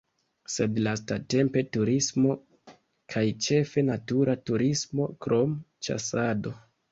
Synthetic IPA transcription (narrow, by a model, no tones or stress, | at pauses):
se̞dlastate̞mpe̞tuɾismo̞ | kʰajt͡ʃe̞fe̞natuɾatuɾismo̞kɾʔo̞mt͡ʃa̰sado̞